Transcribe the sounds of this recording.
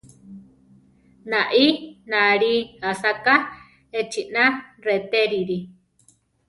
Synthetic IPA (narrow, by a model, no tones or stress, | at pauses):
naʔinãɾiasaka | et͡ʃinaret̪eɾiɾi